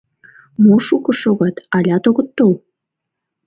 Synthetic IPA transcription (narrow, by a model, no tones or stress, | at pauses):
moʃukə̆ʃoɣɑt̪ɑlʲɑt̪oɣə̆t̪ːol